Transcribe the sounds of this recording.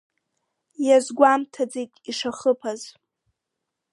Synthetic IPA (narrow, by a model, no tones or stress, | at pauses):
jazɡʷamtʰad͡zejtʼiʂaχəpʰaz